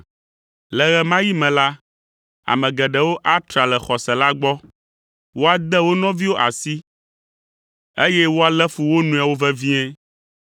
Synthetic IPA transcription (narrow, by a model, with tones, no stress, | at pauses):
lɛ˨ɣɛ˨mã˦ji˦mɛ̃˨la˦ | a̰˨mɛ̃˨ɡɛ˨ɖɛ˨wo˦ʔa˦t̪ɾa˨lɛ˨xɔ˨sɛ˨la˦ɡ͡bɔ˦ | wo˦a˦d̪ɛ˦wo˦nɔ̃˦vi˦wo˦ʔa˨si˦ | e˦jɛ˦wo˦a˦lɛ˦fu˨wo˦nũ˨a˨wo˦vɛ˦vĩ˦ɛ̃˦